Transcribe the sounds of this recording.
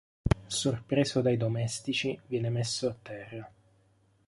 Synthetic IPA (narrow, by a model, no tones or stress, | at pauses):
sorpɾeːzod̪ajd̪omɛst̪it͡ʃivjɛːnemesːoat̪ːɛrːa